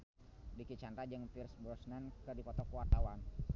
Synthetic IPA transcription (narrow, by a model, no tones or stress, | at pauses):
dikit͡ʃanɾad͡ʒəŋpirsbɔsnɛnkɨrdipɔt̪ɔkuwart̪awan